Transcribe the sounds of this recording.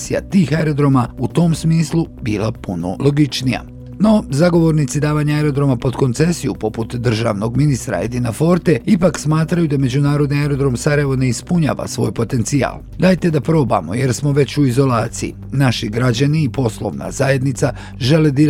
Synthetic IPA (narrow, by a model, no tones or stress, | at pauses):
sija̰t̪iːxaeɾo̞d̪ɾo̞maut̪o̞ːmsmiːslˠubiːlˠapuno̞̰lo̞ɡit͡ʃnija̰ | no̞zaɡo̞ʋo̞ɾnit̪sid̪aːʋaɲaaeɾo̞d̪ɾo̞mapo̞d̪ko̞nt̪se̞sijupo̞put̪d̪r̩ʒa̰ːʋno̞ɡminist̪ɾa̰ed̪inafo̞ɾt̪e̞ipaksmaːt̪ɾajud̪ame̞d͡ʑunaːɾo̞d̪niaeɾo̞d̪ɾo̞msaɾajeʋo̞ne̞ispuɲa̰ːʋa̰sʋo̞̰ːjpo̞t̪e̞nt̪sija̰ːl | d̪aːjt̪e̞d̪apɾo̞ːba̰mo̞̰je̞ɾsmo̞ʋe̞t͡ɕuizo̞laːt̪sijḭ | naʃiɡɾad͡ʑaniːpo̞slˠo̞̰ʋna̰zaje̞d̪nit̪sa | ʒe̞led̪i